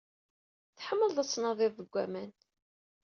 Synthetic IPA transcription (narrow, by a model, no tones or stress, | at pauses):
θħəmːəlðˤæsːnɑðˤɪððəɡʷːæmæn